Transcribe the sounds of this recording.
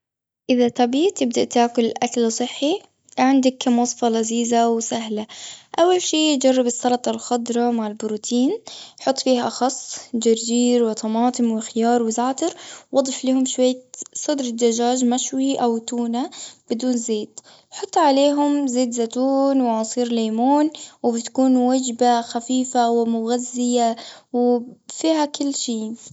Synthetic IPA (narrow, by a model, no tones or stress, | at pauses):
ʔɪðat̪ɑbiːt̪ːɪb̚d̪aʔt̪aːkʊlʔakalsˤɨħːi | ʕɪnd̪akːamwɑsˤfɑlaziːzawsaɦlaʔawːalʃiːd͡ʒɑrˤːɑbɪsːɑɾɑt̪ˤɑlxʊd̪ɾˤɑmaʕɪlbʊɾut̪ʰiːnħʊt̪ˤːfiːhaʔɑxɑsˤːd͡ʒaɾd͡ʒiːɾwɪt̪ʰˤɑmɑːt̪ˤɨmwɪxɪjɑːɾˤwɪzaːt̪ɪɾwɑd̪ˤɪfliːhʊmʃwajːasˤɨd̪ɾɪd̪ad͡ʒaːʒmaʃwiʔawt̪uːnab̥ɪd̪uːnzeːd̪ | ħʊt̪ˤːʕaleːɦʊmzeːd̪zat̪uːnwɪʕɑsˤiːɾleːmuːnwɪbɪt̪kuːnwad͡ʒbaxafiːfawɪmʊɣazːɪjawɪfiːɦakɪlːʃiː